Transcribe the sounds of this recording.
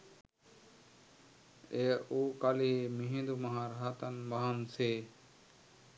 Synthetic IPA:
eːuːkaːliemĩɦĩnd̪umaɦãːɾɦaːt̪ənmaɦnseː

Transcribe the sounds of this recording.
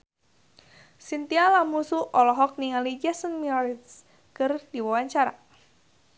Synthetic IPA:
sint̪ialamusuʔɔlɔɦɔk̚niŋalid͡ʒɛsənmiɔɾit̪s | kɨrd̥iwawaɲt͡ʃaɾa

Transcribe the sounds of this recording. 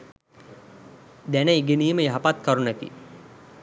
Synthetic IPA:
d̪ænəiɡeniːməjaɦapat̪kaɾunəkḭ

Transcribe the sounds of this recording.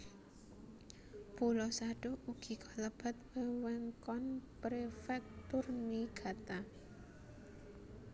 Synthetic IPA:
pulɔsaɖ̥ouɡ̥i̤kʰɔləb̥a̤t̪̚wəwɛŋkɔnpɾefɛk̚t̪ʊrniɡ̥a̤t̪a

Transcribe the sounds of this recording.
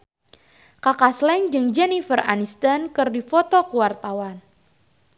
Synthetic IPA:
kakaslɛŋd͡ʒɨŋd͡ʒɛnifəra̰nist̪ankɨrdifɔt̪ɔkuwart̪awan

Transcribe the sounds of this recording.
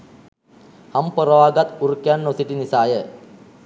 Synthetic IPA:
hɐmpɐɾɐʋaːɡɐt̪urukjaːnːosiʈinisaːjə

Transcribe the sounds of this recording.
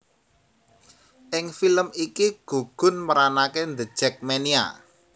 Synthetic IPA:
ʔɪŋfiləmikiɡ̥ṳɡ̥ʊ̤nməɾanakend̪əd̥ʒ̥ɛ̤k̚menia̰

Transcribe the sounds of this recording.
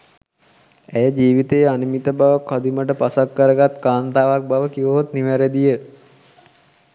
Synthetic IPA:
æjəd͡ʒiːʋit̪ejanimit̪əbaʋəkʰːɔd̪iməʈəpasakːəɾəɡat̪kaːnt̪aːʋak̚baʋəkiʋəɦot̪niʋæɾed̪ijə

